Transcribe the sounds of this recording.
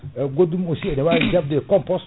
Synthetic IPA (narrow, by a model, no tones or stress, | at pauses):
ɡodumosiɛnɛwad͡ʒab̚dɛkɔmpɔs